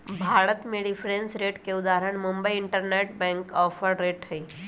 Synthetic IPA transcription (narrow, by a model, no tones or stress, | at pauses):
bʱaːɽət̪meɽifʰɾẽnsɾeːʈkeʊd̪aːɾəɳ̃mʊmbəiɪɳʈəɾneʈbɛ̃ŋkɔːpʰəɾɾeːʈhəi